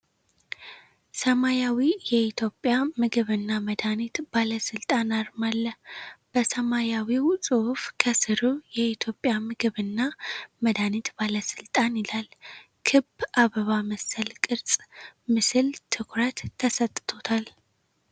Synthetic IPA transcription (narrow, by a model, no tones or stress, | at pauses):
səmajawijɛit̪ʰjo̞pʼːjamɨɡɨβɨnːaməd̪anit̪b̥aləsɨlt̪ʼanaɾmalːəb̥əsəmajawiwsʼɨhfkʰəsɨɾujɛit̪ʰjo̞pʼːjamɨɡɨβɨnːaməd̪anit̪baləsɨlt̪ʼanilal | kʰɨbʔaβəβaməsəlkʼɨɾsʼmɨsɨlt̪ʰɨkʰɾət̪ʰːəsət̪ʼːt̪ʰo̞t̪ʰal